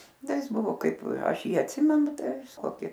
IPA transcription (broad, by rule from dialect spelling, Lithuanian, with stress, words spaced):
ˈdɐ ˈjɪs ˈbʊʋoː ˈkɐɪp ˈɐʃ ˈjiː ɐtʲˈsʲɪmʲɛnʊ ˈtɐɪ koːˈkʲɪ